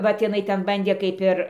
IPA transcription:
ˈʋɐt ɪˈnɐɪ ˈtʲɛn ˈbɐnʲdʲeː kɐɪp ˈɪr

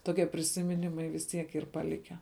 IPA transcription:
toːˈkʲiɛ pʲrʲɪsʲɪmʲɪˈnʲɪmɐɪ ʋʲɪs ˈtʲiɛk ˈiːr pɐˈlʲɪkʲæː

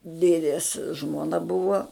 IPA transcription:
ˈdʲeːdʲeːs ʒmoːˈnɐ ˈbʊʋoː

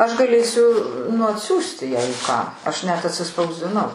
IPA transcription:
ˈɐʃ ɡɐˈlʲeːsʲʊ nʊ ɐtʲˈsʲuːsʲtʲɪ jɛɪ kɑː ˈɐʃ nʲɛt ɐtʲsʲɪspɐʊzʲdʲɪˈnɐʊ

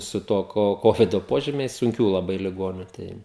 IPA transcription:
sʊ ˈtuɔ ˈkoː ˈkoːʋʲɪdoː ˈpoːʒʲiːmʲɛɪs sʊŋʲˈkʲuː lˠɐˈbɐɪ lʲɪˈɡoːnʲʊ ˈtɐɪ

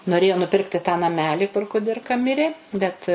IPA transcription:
noːˈrʲeːjoː nʊˈpʲɪrktʲɪ tɑː nɐˈmʲæːlʲiː kʊr kʊˈdʲɪrkɐ ˈmʲɪrʲeː bʲɛt

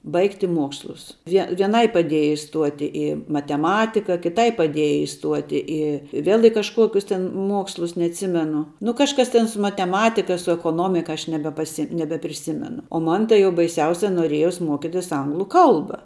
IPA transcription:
ˈbɐɪktʲɪ ˈmuɔkslˠʊs ʋʲiɛ ʋʲiɛˈnɐɪ pɐˈdʲiɛjɛ ɪˈstuɔtʲɪ ɪ mɐtʲɛˈmɑːtʲɪkɐ kʲɪˈtɐɪ pɐˈdʲiɛjɛ ɪˈstuɔtʲɪ ˈɪ ˈʋʲeːlˠ ɪ kɐʃˈkuɔkʲʊs tʲɪn ˈmuɔkslˠʊs nʲɛɐtʲˈsʲɪmʲɛnʊ nʊ kɐʃˈkɐs tʲɛn sʊ mɐtʲɛˈmɑːtʲɪkɐ sʊ ɛkoːˈnoːmʲɪkɐ ˈɐʃ nʲɛbʲɛpɐˈsʲɪ nʲɛbʲɛpʲrʲɪˈsʲɪmʲɛnʊ oː ˈmɐn tɐɪ jɛʊ bɐɪˈsʲɛʊsʲɛ noːˈrʲiɛjoːs ˈmoːkʲɪtʲɪs ˈɐŋɡlˠʊ ˈkɐlˠbɐ

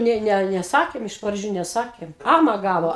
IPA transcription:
ˈnʲeː ˈnʲɛ ˈnʲɛ nʲɛˈsɑːkʲeːm ɪʃ prɐˈd͡ʒʲuː nʲɛˈsɑːkʲeːm ˈɑːmɐ ˈɡɑːʋoː

